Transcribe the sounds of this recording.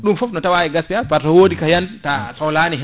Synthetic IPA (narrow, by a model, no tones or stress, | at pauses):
ɗumfɔfnɔtawaɛɡaspiapaɾtɔwoːdikajantasɔwlaːniɦ